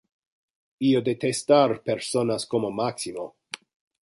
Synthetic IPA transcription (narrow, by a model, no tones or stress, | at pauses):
iod̪et̪est̪aɾpeɾsonaskomomaksimo